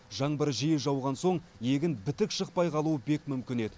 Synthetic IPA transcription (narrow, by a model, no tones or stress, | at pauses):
ʒɑɴbəɾʒijɪʒɑwʁɑnso̞ɴje̞ɡʲɪnbɪt̪ɪkʃəq̚pɑjqʰɑlˠuəbe̞kmʏmkʲɪne̞d̪ɪ